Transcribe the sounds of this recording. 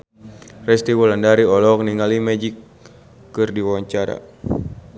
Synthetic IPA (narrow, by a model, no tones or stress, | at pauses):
rɛst̪iwɔlandaɾiɔlɔk̚niŋalimɛd͡ʒikː | ɨrdiwawaɲt͡ʃaɾa̰